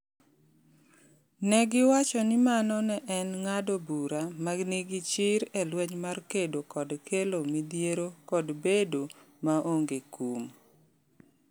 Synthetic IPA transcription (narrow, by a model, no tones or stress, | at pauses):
nɛɡɪwat͡ʃɔnɪmanɔnɛʔɛnŋadɔbuɾamaɡniɡit͡ʃɪɾɛlwɛɲmarkedokɔdkʰelomid̪jeɾokɔdbedo | maʔoŋɡekum